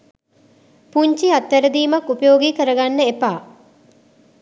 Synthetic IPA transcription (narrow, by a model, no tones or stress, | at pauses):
puɲt͡ʃiat̪ːæɾəd̪iːmakːupəjoːɡiːkəɾəɡanːəepaː